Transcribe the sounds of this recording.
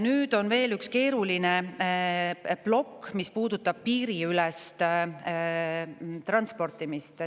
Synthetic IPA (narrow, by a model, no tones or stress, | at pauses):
nyːd̪̥o̞nve̞ːlykske̞ːɾuline | b̥lo̞kːmispuːd̪̥ut̪ːˑɑb̥̚piːɾiylɛst̪ | t̪rɑnspo̞rt̪ˑimist̪